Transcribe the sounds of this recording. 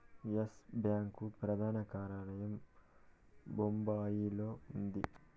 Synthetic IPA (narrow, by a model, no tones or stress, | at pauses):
jesbjaːŋkupɾɐd̪ʱaːnɐkaːɾɐɳɐjɐm | bombaːjilo̞ːund̪i